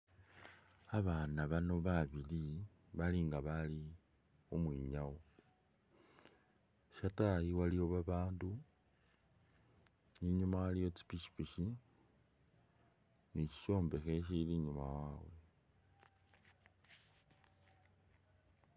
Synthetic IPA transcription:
aβanaβano̞βaβili | βaliŋɡaβali | omwiɲawo | ʃatajiwalio̞βaβaːndu | iɲumajalijo̞t͡si̥piʃi̥piʃi | niʃi̥ʃo̞ːmbe̞xeʃ̬iliɲuma̰wawe

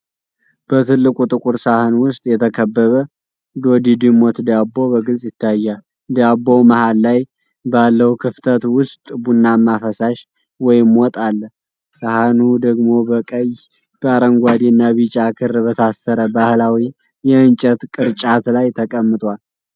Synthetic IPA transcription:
b̥ət̪ʰɨlːɨkʼut̪ʼɨkʼuɾsahɨnwʊst̪ʼjɛt̪ʰəkʰəbːəβə | d̪o̞d̪id̪ɨmot̪d̪abːo̞bəɡɨlsʼjɪt̪ʰːajːal | d̪abːo̞mahalːaj | balːəhkʰɨft̪ʰət̪wʊst̪ʼbunːamːafəsaʃ | wɔjɪmwɔt̪ʼalːə | sahnud̪əɡmo̞bəkʼəj | b̥əaɾəŋɡʷad̪inːaβit͡ʃʼakʰɨrbət̪ʰasːəɾəbahlawi | jɛɨnt͡ʃʼət̪kʼɨɾt͡ʃʼat̪lajt̪ʰəkʼəmːɨt̪ʼwal

